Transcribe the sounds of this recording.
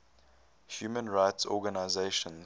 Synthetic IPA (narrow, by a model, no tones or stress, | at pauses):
hjuːmə̃nɹaɪtsɔ̰ːɡanaɪzeɪʃə̃n